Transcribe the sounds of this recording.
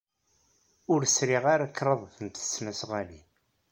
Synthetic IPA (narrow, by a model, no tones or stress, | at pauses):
ʊɾsɾiʁaɾakːɾˤəðˤθənt̪ə̥sːmæsʁæli